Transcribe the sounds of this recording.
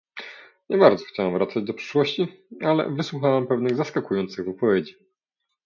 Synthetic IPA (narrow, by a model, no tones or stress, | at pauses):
ɲɛbaɾd̪zɔ̥xt͡ɕawamvɾat̪sad͡ʑd̪ɔpʂɘ̥ʂwɔɕt͡ɕialɛ̰vɘswuxawampɛvnɘɣzaskakujɔnt̪sɘɣvɘpɔvʲjed͡ʑi